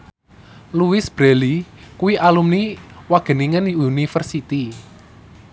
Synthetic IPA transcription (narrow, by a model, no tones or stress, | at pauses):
luwɪsb̥ɾelikuwiʔalumniwaɡ̥ə̤niŋəniunifərsit̪i